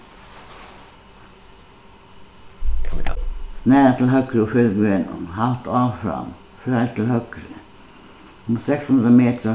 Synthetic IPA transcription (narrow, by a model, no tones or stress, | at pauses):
snæːət̪ʰlɦœkɾufʏlɡʋenə̰nhɑlt̪ɑːʋfɾɑ̰m | fɾæt̪ʰɪlhœkɾə | ʊmsɛkshʉnd̪ɾəmeːt̪əɾ